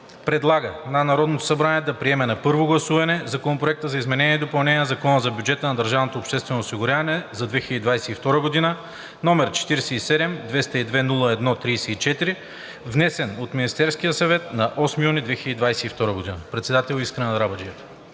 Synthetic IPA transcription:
pɾɛd̪lˠaɡənɐnɐɾɔd̪not̪o̥sɐbɾaniɛd̪ɐpɾiɛmɛnɐpɤɾvoɡlˠɐsuvɐnɛzɐkonopɾoɛk̚t̪əzɐizmɛnɛniɛid̪opɐlˠnɛniɛzɐkɔnəzɐbjud͡ʒɛt̪ənɐd̪əɾʒavnot̪oːpʃt̪ɛst̪vɛnoːsiɡʊɾʲavɐnɛzɐd̪vɛxiləd̪id̪vajsɛift̪ɔɾəɡod̪inə | nɔmɛɾt͡ʃɛ̥t̪iɾɛsɛisɛd̪ɛmd̪vɛst̪ɐid̪vɛnulˠəɛd̪nɔt̪ɾijsɛit͡ʃɛt̪iɾi | vnɛsɛnot̪minist̪ɛɾskijəsɐvɛt̪nɐʔɔsmijunid̪vɛxiləd̪id̪vajsɛift̪ɔɾəɡod̪inəpɾɛt̪sɛd̪at̪ɛlˠiskɾɐnɛɾabɐd͡ʒiɛf

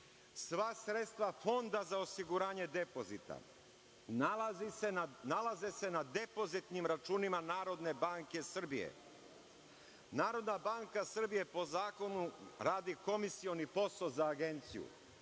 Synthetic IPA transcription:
sʋasɾet̪st̪ʋafo̞nd̪azaosiɡuɾaːɲe̞d̪e̞po̞zit̪a̰ | nalazisenalazese̞nad̪e̞po̞zit̪nimɾat͡ʃuːnimanaːɾo̞d̪ne̞baːŋke̞sr̩bijḛ | naːɾo̞d̪nabaːŋkasr̩bije̞po̞zaːko̞nuɾaːd̪iko̞misio̞nipo̞sozaːɡe̞nt̪sijṵ

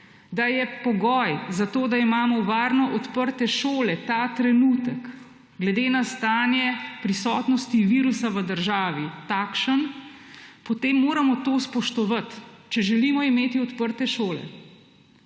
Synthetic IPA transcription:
d̪ajɛpɔɡɔjzat̪oːd̪aimaːmɔʋaːɾnɔʔɔt̪pəɾt̪ɛʃoːlɛt̪at̪ɾɛnut̪ək | ɡlɛd̪eːnast̪aːnjɛpɾisɔt̪nɔst̪iʋiːɾusaʋəd̪əɾʒaːʋit̪akʃən | pɔt̪eːmːoːɾamɔt̪oːspɔʃt̪ɔʋat̪t͡ʃɛʒɛlimɔimeːt̪iɔt̪pəɾt̪ɛʃoːlɛ̰

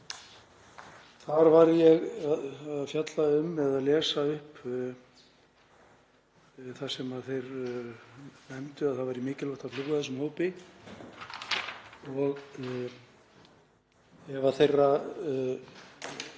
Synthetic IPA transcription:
θaɾvaɾjɛɣaðaðfjat̪laʏmɛðaðlɛːsaʏhp | θasɛmaðθejɾ | nɛmt̪ʏaðθaðvaɾimɪːcɪlɔht̪aðfluɣʏθɛs̬ːʏmhoːwpɪ | ɔɣ | ɛvaθejrːa

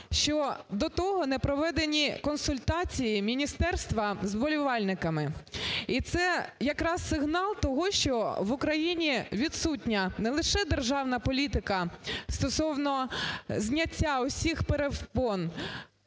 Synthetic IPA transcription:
ʃt͡ʃɔd̪ɔt̪ɔɦɔnɛpɾɔʋɛd̪enʲikɔnsʊlʲt̪ɑt͡sʲijimʲinʲist̪ɛrst̪ʋɐzbɔlʲiʋɑlʲnɪkɐmɪit̪sɛjɐkɾɑsːɪɦnɑlˠt̪ɔɦɔʃt͡ʃɔʋʊkɾɐjinʲiʋʲid̪sutʲnʲɐnɛlˠɪʃɛd̪erʒɑwnɐpɔlʲit̪ɪkɐst̪ɔsɔwnɔzʲnʲɐtʲːaʊsʲixpeɾewpɔn

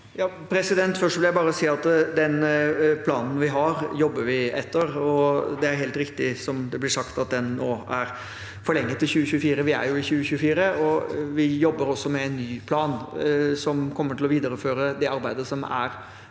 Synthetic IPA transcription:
jɑː | pʰɾɛsɪd̪ɛnt̪fœʂʈʋɪljæɪbɑːɾəɔsiːɑt̪d̪ɛnpʰlɑ̰ːnn̩ʋɪɦɑɾjɔbːəɾʋɪɛt̪ʰːəɾɔd̪ɛæɾɦeːlt̪ɾɪkt̪ɪsɔmd̪ɛblɪʂɑkt̪ɑt̪̚d̪ɛnːoːæɾ | fɔɭɛŋːət̪ʰːɪlçʉːəçʉːəfiːɾəʋɪæ̰ɾjʊɪçʉːəɕʉːəfiːɾəɔʋɪjɔbːəɾɔsːɔmɛɛnːyːpʰlɑːnsɔmkʰɔmːəʈʰɪlɔʋiːd̪əɾəføːɾəd̪ɛɑɾbæɪd̪əsɔmæ̰ɾ

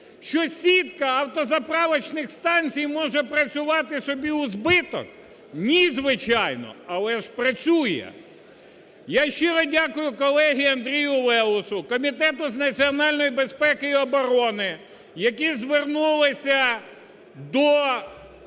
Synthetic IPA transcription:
ʃt͡ʃɔsʲit̪kɐɐwt̪ɔzɐpɾɑʋɐt͡ʃnɪxst̪ɑnʲt͡sʲijmɔʒɛpɾɐt͡sʲʊʋɑt̪ɪsɔbʲiʊzbɪt̪ɔ̰k | nʲizʋɪt͡ʃɑjnɔ̰ɐlˠɛʒpɾɐt͡sʲujɛ̰ | jaʃt͡ʃɪɾɔdʲakʊjʊkɔlˠɛɦʲiɐnd̪ɾʲijʊlˠɛlˠʊsʊkɔmʲit̪ɛt̪ʊznɐt͡sʲiɔnɑlʲnɔjibespɛkɪiɔbɔɾɔnɪ | jɐkizʋernulˠɪsʲɐ | d̪ɔ

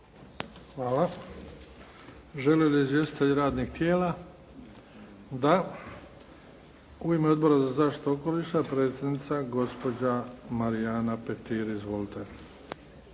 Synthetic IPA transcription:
xʋaːla | ʒe̞leliizʋje̞st̪i̥t̪eʎɾaːd̪nikt̪jeːla | d̪a | uimeo̞d̪bo̞ɾazazaːʃt̪i̥t̪eoko̞liʃt̪apɾe̞ːt̪sʲjed̪nit̪saɡo̞spo̞d͡ʑamaɾiaːnape̞t̪iːɾizʋo̞lit̪e̞

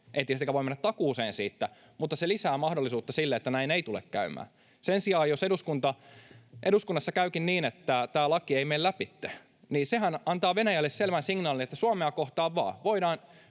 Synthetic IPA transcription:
ʔḛit̪ist̪ekæʋoimenːæt̪t̪ɑkuːseːnsḭːt̪ːæ | mut̪ːɑselisæːmɑhdolːˑisuːt̪ːɑsilːeet̪ːænæineit̪ulḛkkæ̰ymæ̰ː | sensiɑːjoseduskunt̪ɑʔeɾuskunːɑsːɑkæykinniːnet̪ːæt̪æːlɑkieimeillæpit̪ːe̥ | niːsehænɑnt̪ɑːʋenæjælːesselʋænsiŋnɑːlinet̪ːæsuɑmeɑkoht̪ɑːʋʋɑ̰ːʋoidɑːn

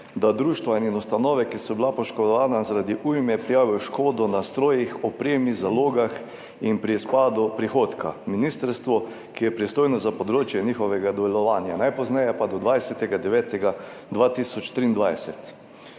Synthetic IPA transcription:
d̪ad̪ɾuːʃt̪ʋaininust̪anɔːʋɛkisɔbilapɔʃkɔd̪ɔʋaːnazaɾad̪iʔujmɛpɾijaːʋiɔʃkoːd̪ɔnast̪ɾoːjixɔpɾeːmizaloːɡax | inpɾispaːd̪upɾixoːt̪kʰa̰minist̪əɾst̪ʋɔ | kijɛpɾist̪oːjnɔzapɔd̪ɾoːt͡ʃjɛniːxɔʋɛɡad̪ɔʋɛlɔʋaːnjanajpɔznɛjɛpad̪ɔd̪ʋajsɛt̪ɛɡad̪ɛʋɛːt̪ɛɡad̪ʋaːt̪isɔt͡ʃt̪ɾiːnd̪ʋajsɛt̪

